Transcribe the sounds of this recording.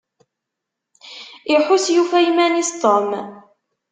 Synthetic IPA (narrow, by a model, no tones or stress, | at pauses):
ɪħusjufæjmænist̪ˤom